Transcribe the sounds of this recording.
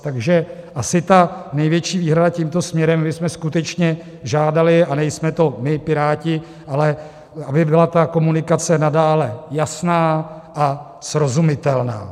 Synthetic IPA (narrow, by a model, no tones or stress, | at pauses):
t̪aɡʒɛ | ʔasɪt̪anɛjvjɛt͡ʃiːviːɦɾadaciːmt̪o̞smɲɛɾɛmmɪsmɛskut̪ɛt͡ʃɲɛ | ʒaːdalɪanɛjsmɛt̪o̞mɪpɪɾaːcɪ | ʔalɛ | abɪbɪlat̪ako̞munɪkat͡sɛnadaːlɛjasnaːʔa | sɾo̞zumɪt̪ɛlna̰ː